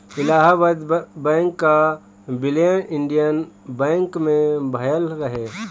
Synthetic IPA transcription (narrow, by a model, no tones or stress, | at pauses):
ɪlaːɦbəd̪bɛ̃ːŋkːa | bɪlejəʔɪ̃ɳɖijənbɛ̃ːŋkmẽbʱəjəlɾəɦeː